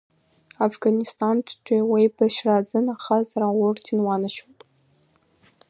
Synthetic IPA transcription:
afɡanistʼantʰtʷʰiwejbaʃrazɨnaχazaɾawʊrtʰinwanaʃopʼ

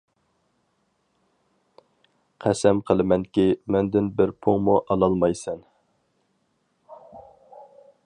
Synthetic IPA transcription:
qʰæsɛmqʰəlˠɨmɛŋkʲimɛnd̪ɪnbɪɾpʰoŋmuʔɑlˠɑlˠmɑjsɛn

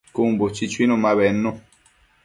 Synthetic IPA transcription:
kumbot͡ʃit͡ʃwinumaβɛnːo

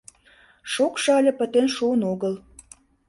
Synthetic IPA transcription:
ʃokʃɤɑlʲɤ̆pə̆t̪enʃuənoɣəl

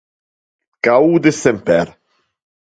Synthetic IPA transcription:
kaud̪ɪsɛmpɛɾ

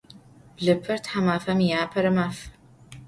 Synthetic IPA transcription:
bɮɨpʰːɐrt̪ħamaːfɐmjaːpʰɐɾɐmaːf

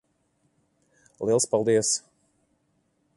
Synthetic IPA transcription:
lˠiɛlˠspalˠd̪iɛs

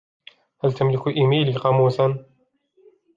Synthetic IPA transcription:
halt̪amlɪkʔɪmiːliːqɑmuːsan

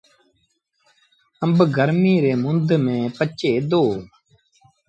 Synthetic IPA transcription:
əmbɡʱəɾmiːɾeːmʊnd̪mẽːpət͡ʃeːd̪oː

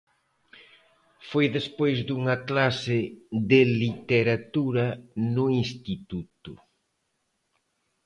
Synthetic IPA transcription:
fojðespojzd̪uŋɐklasɪðɪlit̪eɾat̪uɾɐnʊinst̪it̪ut̪ʊ

